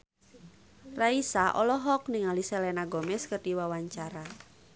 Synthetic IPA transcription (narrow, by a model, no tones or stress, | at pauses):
raisaʔɔlɔɦɔk̚niŋalisɛlɛnaɡɔmɛskərdiwawaɲt͡ʃaɾa